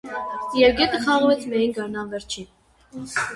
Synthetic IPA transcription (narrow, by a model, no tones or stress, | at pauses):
jɛvɡɛt̪əχɑʁvɛt͡sʰmɛjinɡɑɾnɑlvɛɾt͡ʃʰin